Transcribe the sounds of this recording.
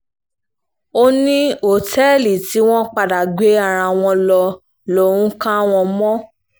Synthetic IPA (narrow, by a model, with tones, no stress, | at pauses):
o˦nĩ˦o˦˨tʰɛ˦˨li˨ti˨˦w̃ɔ̃˦k͡pa˦˧da˨ɡ͡be˨˦a˦˨ɾ̃ã˧w̃ɔ̃˧lɔ˧ | lo˨˦˨ũ˦kã˦w̃ɔ̃˧mɔ̃˦